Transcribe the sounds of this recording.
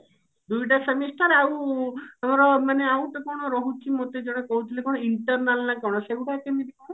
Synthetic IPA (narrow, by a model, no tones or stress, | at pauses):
d̪ujʈasemisʈaɾawamɔɾɔmaneawt̪ɔkɔɽ̃ɔɾɔɦut͡ʃʰimot̪ed͡ʒɔɽ̃ekɔɦut̪ʰilekɔɽ̃ɔiɳʈɔɾnalnakɔwɽ̃ɔseuʈakemid̪ikɔɽ̃ɔ